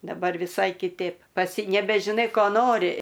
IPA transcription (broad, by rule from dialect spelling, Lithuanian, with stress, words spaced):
dɐˈbɐr ʋʲɪˈsɐɪ kʲɪˈtʲeːp ˈpɐts nʲɛbʲɛʒʲɪˈnɐɪ ˈkoː ˈnoːrʲɪ